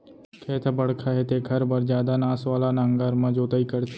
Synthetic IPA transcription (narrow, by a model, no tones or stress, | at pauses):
kʰeːt̪ʰabɐɽkʰaɦɛt̪eɡʱɐɾbɐɾd͡ʒjaːd̪anaːsʋaːlanãŋɡəɾmɐ̃d͡ʒoːt̪aːikɐɾt̪